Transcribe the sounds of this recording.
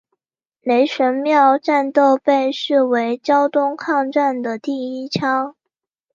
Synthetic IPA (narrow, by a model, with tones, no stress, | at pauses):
ne˧˥ɪʂə˧˥nmjɑ˥˧ʊʈ͡ʂa˥˧nt̪o˥˧ʊpe˥˧ɪʂɻ̩˥˩we˧˥ɪt͡ɕjɑ˥ʊt̪ʊ˥ŋkʰɑ˥˧ŋʈ͡ʂa˥˩nd̪ə˩t̪i˥˩i˥t͡ɕʰjɑ˥ʊ